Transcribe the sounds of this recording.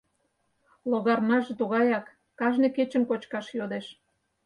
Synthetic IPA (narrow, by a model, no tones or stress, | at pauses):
loɣɑrmɑʒet̪uɣɑjɑkː | ɑʒnĕket͡ɕə̆mkot͡ɕkɑʃjod̪eʃ